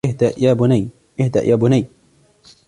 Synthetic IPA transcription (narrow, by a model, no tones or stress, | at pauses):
ɪɦd̪aʔjaːbʊnaj | ʔɪhd̪a̰ʔjʔaːbʊnaj